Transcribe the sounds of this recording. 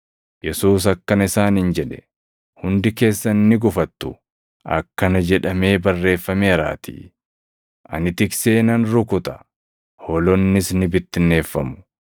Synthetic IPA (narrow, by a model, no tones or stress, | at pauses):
jɛsuːs̬ɐkːɐnɪsaːnɪnd͡ʒɛᶑɛ̥ | hʊnd̪ɪke̞ːsːɐnːɪɡʊfɐt̪ːʊ | ʔɐ̰kːɐnɐd͡ʒɛᶑɐme̞ːbɐrːe̞ːfːɐmeːɾa̰ːt̪ḭː | ʔɐ̰nɪt̪ɪkse̞ːnɐnɾʊkʊt̪ɐ̥ | hɔlɔnːɪsnɪbɪt̪ːɪnːe̞ːfːɐmʊ̥